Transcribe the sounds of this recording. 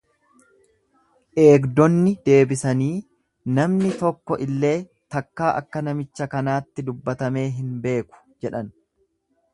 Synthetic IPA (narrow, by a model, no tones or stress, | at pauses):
ʔe̞ːɡd̪ɔnːɪd̪e̞ːbɪsɐniː | nɐmnɪt̪ɔkːɔʔɪlːe̞ː | t̪ɐkːaːʔɐ̰kːɐnɐmɪt͡ʃːɐkɐnaːt̪ːɪd̪ʊbːɐt̪ɐme̞ːɦɪnbe̞ːkʊ̥d͡ʒɛᶑɐn